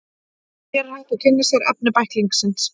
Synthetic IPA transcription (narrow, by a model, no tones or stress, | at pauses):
ɛɾhaːt̪ɪkʰɪnːɪsaɾa̰p̚nɪpajhkliŋksɪns